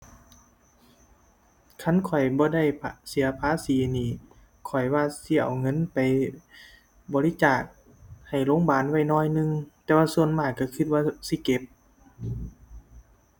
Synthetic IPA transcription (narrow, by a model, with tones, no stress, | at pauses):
kʰa˧˥˨nkʰɔ˨˩jbɔː˧˦da˧˩jpʰsi˨˦ɐpʰaː˧˦˥siː˨˦niː˧˩ | kʰɔ˨˩jwaː˧si˧˩ʔa̰˨˩wŋɤ˧˥˨npa˨j | bɔː˨˦li˧˦˥t͡ɕaː˨˩k̚ | ha˨˩jloː˧˥˨ŋbaː˨˩nwa˧˥˩jnɔː˧˩˨jnɯ˧ŋt̪ɛː˧waː˧su˧˨ənmaː˧˩kkːa˧˩kʰɯ˧˦t̪̚waː˧˥si˧˦ke˧˦p̚